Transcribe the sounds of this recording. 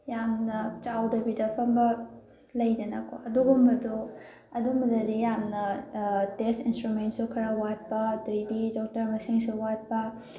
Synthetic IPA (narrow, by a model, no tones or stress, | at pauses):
jamnɐt͡ʃawdɐbidɐpʰɐmbɐ | lɐjdɐnɐkʰoɐduɡumbɐdu | ɐdumbɐdɐdijamnɐtestinstɾument̚sukʰɐɾawat̚pɐdojdidɔk̚tɐɾmɐsiŋsuwat̚pɐ